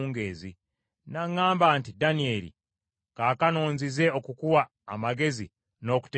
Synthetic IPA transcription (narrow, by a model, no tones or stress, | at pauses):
ŋɡe̞ːzi | naŋːaːmbaːntidanie̞ːlḭ | kaːkano̞ːnzize̞o̞kukuwaː | maɡe̞zi | no̞ːku̥te